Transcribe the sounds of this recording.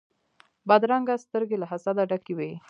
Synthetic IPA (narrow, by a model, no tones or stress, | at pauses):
bad̪ɾaŋɡast̪əɾɡelaɦasad̪aɖakiwej